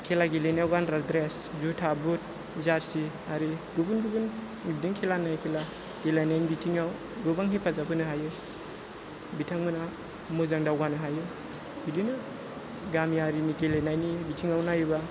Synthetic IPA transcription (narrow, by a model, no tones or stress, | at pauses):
kʰelaɡeleniawɡanɾadɾes | zutʰabut̚ | zaɾsi | aɾiɡubunɡubun | ibdiŋkʰelanajkʰela | ɡ̥elajnajnibitʰiŋaw | ɡɯbaŋɦipʰazapʰɯnɯɦajɯ | bitʰaŋmɯna | muzaŋdawɡanɯɦajɯ | bidinɯ | ɡamiaɾiniɡelenajnibitʰiŋawnajɯba